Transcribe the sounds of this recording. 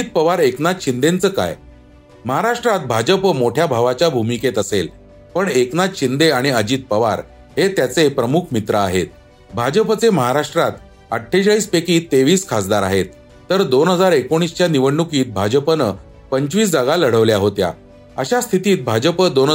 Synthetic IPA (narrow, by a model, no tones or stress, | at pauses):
iːt̪̚pəʋaɾeknat͡sɕind̪ent͡səːka̰j | məɦaɾaʂʈɾat̪̚bʱad͡ʑəpəmoʈʰjabʱaʋat͡ɕjabʱumiket̪əsel | pəɳeknat͡sɕind̪eaɽ̃iəd͡ʑiːt̪̚pəʋa̰ɾ | ɦet̪jat͡sepɾəmukʰmit̪ɾəa̰ɦḛt̪̚ | bʱad͡ʑəpət͡seməɦaɾaʂʈɾat̪ | əʈʰːeɕaiːspekiːt̪ːeʋiːskʰasd̪aɾa̰ɦet̪̚ː | əɾd̪onɦəd͡zaɾekoɽ̃ist͡ɕjaniʋəɳːukiːt̪̚bʱad͡ʑəpənə | pəɲt͡ɕʋiːs̬d͡zaɡaləɽ̤əʋljaɦot̪ja̰ | əɕast̪ʰit̪iːt̪̚bʱad͡ʑəpəd̪on